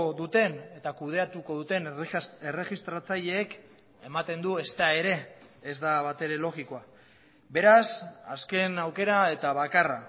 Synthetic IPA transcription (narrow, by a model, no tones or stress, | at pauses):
oðut̪e̞ne̞t̪akuð̞e̞at̪uko̞ðut̪e̞ne̞re̞ɣist̪ɾat͡saʎe̞ːk | e̞mat̪e̞nd̪ue̞st̪ae̞ɾe̞ːzd̪aβat̪e̞ɾe̞lo̞ɣiko̞a | be̞ɾasa̰ske̞nawke̞ɾae̞t̪aβ̞akara